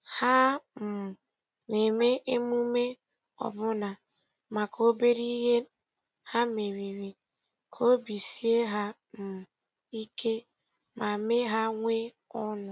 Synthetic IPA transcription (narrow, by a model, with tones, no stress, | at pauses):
ha˦m̩˨ | ne˨me˦ʔe˦mu˦me˦ | ɔ̰˨bʊ˦na˨ | ma˨kʰo˦be˦ɾi˦ɦe˦ | ha˦me˨ɾi˨ɾi˨ | kʰo˦bi˨si˦e˦ɦa˦ | m̩˨ | i˦kʰe˦ | ma˨me˦ɦa˦ŋʷe˦ | ɔ˦nʊ˨